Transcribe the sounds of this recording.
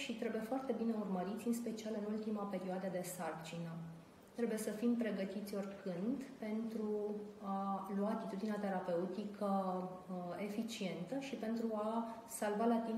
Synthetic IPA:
ʃit̪ɾe̞buje̞foart̪e̞bine̞urməɾit̪sʲɨnspe̞t͡ʃialɨnult̪imape̞ɾioad̪əd̪e̞sart͡ʃinə | t̪ɾe̞buje̞səfimpɾe̞ɡət̪it̪sʲo̞rʲkɨnd̪pe̞nt̪ɾualuaːt̪it̪ud̪ineat̪e̞ɾape̞ut̪ikʰə | e̞fit͡ʃie̞nt̪əʃipe̞nt̪ɾua | salvalat̪im

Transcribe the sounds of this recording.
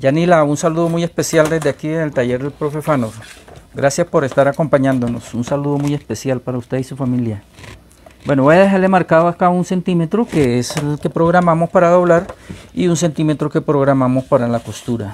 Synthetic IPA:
d͡ʒanilaunsaluðo̞muje̞spe̞sjald̪e̞zd̪eakienelt̪aʝe̞ɾðe̞lpɾo̞fe̞fanoɾɡɾasjaspo̞ɾe̞st̪aɾako̞mpaɲãnd̪o̞no̞sunsaluðo̞muje̞spe̞sjalpaɾaust̪e̞ðisufamilja | bwe̞noo̞jaðe̞xaɾle̞maɾkaðoakaunse̞nt̪ime̞t̪ɾokeeselke̞pɾo̞ɣɾamamo̞spaɾaðo̞βlaɾiuns̬e̞nt̪ime̞t̪ɾoke̞pɾo̞ɣɾamamo̞spaɾalako̞st̪uɾa

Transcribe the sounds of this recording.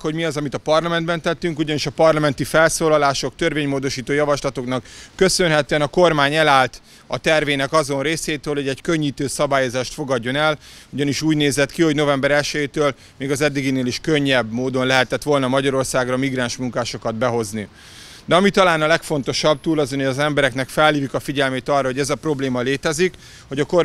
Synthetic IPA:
ho̞ɟmiɒzɒmit̪ɒpɒrlɒmɛnd̪bɛnt̪ɛt̪ːyŋkuɟɒniʃɒpɒrlɒmɛnt̪ifɛlsoːlɒlaːʃo̞k̚t̪ørveːɲmoːd̪o̞ʃiːt̪oːjɒvɒʃlɒt̪o̞knɒkːø̞sø̞nɦɛt̪øɛnɒko̞rmaːɲɛlaːlt̪ | ɒ̰t̪ɛrveːnɛkɒzo̞nreːseːt̪øːlho̞ɟɛɟkøɲːiːt̪øːsɒbaːjo̞zaːʃt̪fo̞ɡɒɟːo̞nɛluɟɒniʃuːɟneːzɛt̪kiho̞ɟno̞vɛmbɛɾɛlʃɛjeːt̪øːl | meːɡɒzɛd̪ːiɡineːliʃkø̞ɲːɛbmoːd̪o̞nlɛɦɛt̪ɛt̪ʋo̞lnɒmɒɟɒɾo̞rsaːɡrɒmiɡɾaːnʃmuŋkaːʃo̞kɒd̪bɛɦo̞zni | d̪ɛɒmit̪ɒlaːnɒlɛkfo̞nt̪o̞ʃɒb̚t̪uːlɒzonjɒzɛmbɛɾɛknɛkfɛlːiːvikɒfiɟɛlmeːt̪ɒrːɒɦo̞ɟɛzɒpro̞bleːmɒleːt̪ɛzik | ho̞ɟɒko

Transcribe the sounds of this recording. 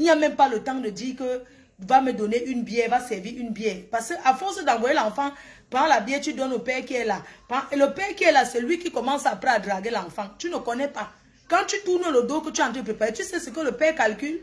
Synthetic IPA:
iɲamɛmpalətãŋdədikə | vamedɔneʔynbjɛvasɛviynbjɛpasəʔafɔ̃s̬ədãŋɡwɔelãfãpãlabjɛtydɔnopɛkɛlapãʔeləpɛkɛlasɛlwikikɔmãŋsapɾɛadɾaɡelãfãŋtynəkɔnɛpa | kãtytunolodokətiãtəpepaetysɛsəkələpɛkalkyl

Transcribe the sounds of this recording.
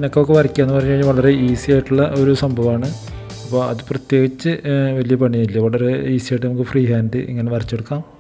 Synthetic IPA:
nokːokːeʋɐrikʲːaːenːɨpɐrɐɲːɐiɲːilʋɐɭɐre̞iːsijaːjiʈːuɭːɐʔo̞ɾusɐmbʱɐʋaːɳɨ | ɐpːo̞ːɐðɨprɐt̪je̞ːɡit͡ɕːɨʋɐlijɐpɐɳːijilːɐʋɐɭɐre̞iːsijaːjʈːɨnɐmuk̬ːɨfriːɦaːndɨʔḭŋːɐne̞ʋɐrit͡ɕːeɽukːaːm

